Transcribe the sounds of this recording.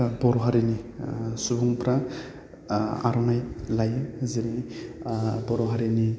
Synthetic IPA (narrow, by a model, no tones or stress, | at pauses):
bɔɾɔɦaɾinisubuŋpɾa | a̰ɾɔnajlajɯziɾi | bɔɾɔɦaɾini